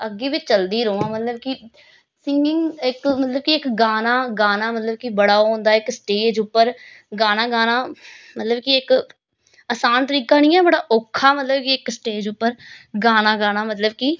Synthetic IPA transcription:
əɡːeːbit͡ʃəld̪iːɾoãːmət̪ləbki | sɪŋɡɪŋɪkmət̪ləb̚kiɪkɡaːnaːɡaːnaːmət̪ləb̚kibəɽaːɦõːnd̪aːɪksʈeːd͡ʒuːpːəɾ | ɡaːnaːɡaːnaːmət̪ləbkiɪk | əsaːnt̪əɾiːkaːnĩːɛ̃ːbəɽaːʔoːkʰːaːmət̪ləbkiɪksʈeːd͡ʒuːpːəɾɡaːnaːɡaːnaːmət̪ləbki

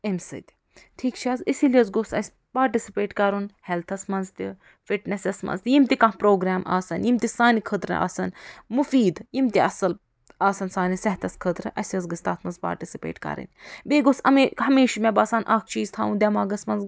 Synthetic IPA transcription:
emsɨ̰t̪ʲ | ʈʰiːkt͡ʃʰiɐːzisilijɐzɡosɐ̰sʲ | paːɾʈisipeːʈkɐɾunhelt̪ʰɐsmɐnzt̪i | fiʈnesesmɐ̰nzt̪ʲjimt̪ikɐ̃ɦpɾoːɡɾaːmʔa̰ːsɐnjimt̪isaːnikʰət̪ɾɨ̰a̰ːsɐnmufiːd̪jimt̪iɐsɐl | aːsɐnsaːnisɐɦt̪ɐskʰət̪ɾɨʔɐsʲjɐzɡɨst̪aːt̪ʰmɐnzpa̰ːɾʈisipḛːʈkɐ̰ɾɨ̰nbeːɡosɐ̰meɦɐmeːʃimebɐːsaːnʔaːkʰt͡ʃiːzt̪ʰaːund̪ʲɐmaːɡɐsmɐnz

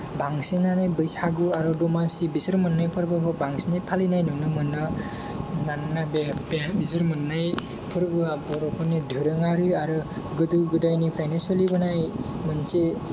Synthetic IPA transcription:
baŋsinanajbɯjsaɡɯaɾɯdɔmasibisɯɾmɯnːajpʰɯɾbɯkʰɔbaŋsinajpʰalinajnɯŋnɯmɯnːɔ | nannabbbisɯɾmɯnːaj | pʰɯɾbɯabɔɾɔpʰɔnidʱɯɾɯŋaɾɯaɾɯ | ɡɯdɯɡɯdajnipʰɾajnansɔlibɯnaj | mɯnse

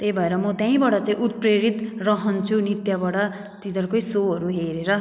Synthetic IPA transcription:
t̪ejbʱʌeɾʌmʌt̪jãĩbʌʈʌt͡saĩʔut̪̚preɾit̪rʌɦʌnt͡sʰunit̪jabaɽʌ | t̪id̪ʌrkojsoɦʌɾuɦeɾeɾʌ

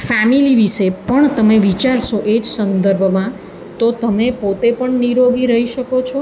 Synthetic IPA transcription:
fɛmiliʋiʃepəɳt̪əmeʋit͡ʃaɾʃoʔed͡ʒsənd̪əɾbʱmã | t̪ot̪əmepot̪epəɳniɾoɡiɾəɦiʃəkot͡ʃʰo

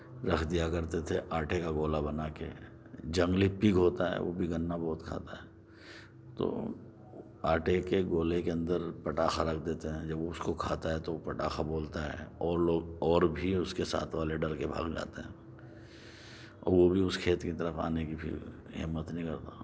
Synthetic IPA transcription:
ɾɐkʰd̪ijakɐɾt̪et̪ʰeʔaːʈʰekaɡoːlabɐnakḛ | d͡ʒɐ̃ŋɡlipiɡɦoːt̪aɦɛ̰ʋo̰bʱiɡɐnːabɔːt̪kʰa̰ːt̪aɦɛː | t̪o̰ | aːʈʰekeɡoːlekeɐ̃nd̪əɾpɐʈaːxaɾɐkʰd̪eːt̪eɦɛ̃d͡ʒɐboʊskokʰaːt̪aɦɛt̪oopɐʈaːxaboːlt̪aɦɛ̰ɔːɾloːɡɔːɾbʱiʊskesa̰ːt̪ʰʋaːleɖɐɾkebʱa̰ːɡd͡ʒa̰ːt̪eɦɛ̃ː | ɔ̰ːɾʋobʱiʊskʰeːt̪kit̪ɐɾəfa̰ːnekibʱḭɦɪ̰mːət̪nəɦĩkɐɾt̪a

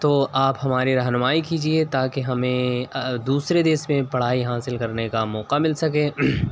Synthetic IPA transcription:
t̪oːaːpɦɐmaːɾiɾɐɦnʊmaːikiːd͡ʒiet̪aːkeɦɐmẽd̪uːsɾed̪eːsmẽpɐɽ̤aːiɦaːsɪlkɐɾnekamɔːqamɪlsɐk̬ẽː

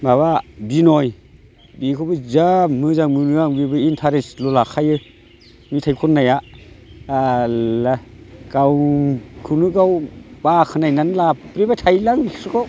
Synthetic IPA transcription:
baβabinɔj | bikʰɔbɯzamɯzaŋmɯnɯaŋbibɯintʰaɾeslɔlakʰajɯ | mitʰajkʰɔnːaja | laɡ̥awkʰɯnɯɡawb̥akʰɯnajnanlapɾibatʰajlaŋisɯkʰɔ

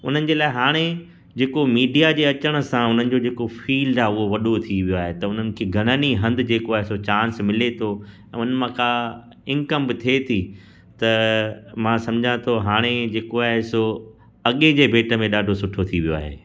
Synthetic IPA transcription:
ʊn̤ənɪ̆d͡ʑeːlaːeɦaːɽ̃e | d͡ʑeːkomiːɖijad͡ʑeːɐt͡ɕəɽ̃̆sãʊn̤ənɪ̆d͡ʑoːd͡ʑeːkofiːlɖaːɦeʊɦoʋɐɗot̪ʰiʋijoaːɦet̪ɐʊn̤ənɪ̆kʰeːɡʱɐɽ̃əniɦɐ̃nd̪ɪd͡ʑeːkoaːɦeɪsot͡ɕãːnsmɪlet̪ʰo | ɛ̃ːʊnəmãka | ɪ̃ŋkəmbɪt̪ʰiet̪ʰi | t̪ɐmãsɐ̃md͡ʑʱãt̪ʰoɦaːɽ̃ed͡ʑeːkoaːɦeso | ɐɠẽd͡ʑeːbʱeːʈə̆mẽɗaːɖʱosʊʈʰot̪ʰiʋijoa̰ːɦḛː

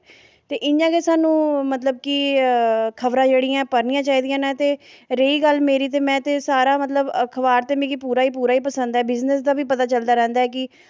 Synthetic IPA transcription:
t̪eːʔɪãːkesaːnũːmət̪ləb̚kɪ | kʰəʋɾãːd͡ʒeːɽɪːãːpəɾnɪjãːt͡ʃaːiːd̪ɪjãːnãːt̪eːɾeiːɡəlmeːɾiːt̪̬eːmɛ̃ːt̪eːsaːɾaːmət̪̬ləbkʰəʋaːɾt̪eːmĩːkipuːɾaːiːpuːɾaːiːpəsə̃nd̪ɛːbɪznəsd̪aːbiːpət̪aːt͡ʃəld̪aːɾɛ̃ːnd̪aːɛːkɪ

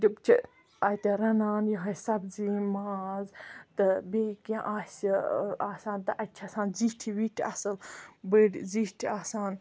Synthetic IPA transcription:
d͡ʒɐbt͡ʃʰḭ | ɐjt̪eɾɐnaːnjɐɦɐsɐbziːmaːzt̪ɨbeːkãʔaːsiaːsaːnt̪ɨʔɐt͡ʃʰɐsaːnziʈʰiʋiʈʰɐ̰sɐlbəɖziʈʰaːsaːn

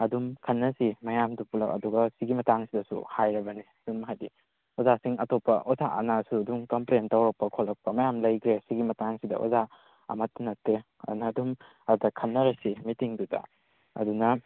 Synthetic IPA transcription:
ɐdumkʰɐnːɐsimɐjamdupulɐ̰kɐ̰duɡɐsiɡimɐtaŋsidɐsṵhajɾɐbɐnidumɦajdi | ozasiŋɐtopːɐʔozaʔɐ̰nasuɐdumkɐmplentɐwɾɐk̚pɐkʰolːɐk̚pɐmɐjamlɐjkʰɾesiɡimɐtaŋsidɐ̰ʔo̰za | ɐ̰mɐtːɐnɐtːe | ɐ̰nɐdum | ɐdɐkʰɐnːɐɾɐsimitiŋdudɐ̰ | ɐ̰dunɐ

